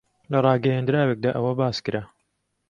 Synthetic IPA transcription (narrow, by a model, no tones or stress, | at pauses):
lɐrˤɑːɡɐjaːnd̪ɨɾaːwek̚d̪aːʔɐwɐbaːskɨɾa